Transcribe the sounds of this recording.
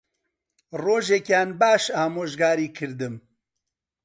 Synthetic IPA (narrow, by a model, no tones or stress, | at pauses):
roːʒeːkjaːnbaːʃaːmoːʒɡaːɾiːkʰɨɾd̪ɨm